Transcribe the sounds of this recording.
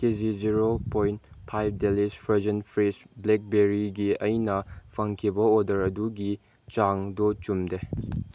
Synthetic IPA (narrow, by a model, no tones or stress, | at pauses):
keziziɾopojntpʰajb̚delispʰɐzɐnpʰɾisblek̚beɾiɡiɐjnɐpʰɐŋkʰibɐodɐɾɐduɡi | t͡ʃaŋdɔt͡ʃumde